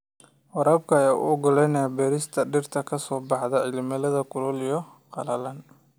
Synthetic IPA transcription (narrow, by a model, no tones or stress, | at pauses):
wɑɾɐːbkʰɐɐjaːʔʊ̰ɔɡʊlɛjnɛbɛːɾɪst̪ʰɐɖɪrt̪ʰɐkʰɐsɔːbɑħðɐʕɪlmɐlɐðɐkʊlɔljɔ | qɑ̰lɐlɐn